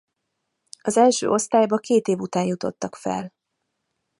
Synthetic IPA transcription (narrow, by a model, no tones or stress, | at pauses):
ɒzɛlʃø̰ːʔo̞st̪aːjbɒkeːt̪eːvut̪aːnjut̪o̞̰t̪ːɒkfɛ̰l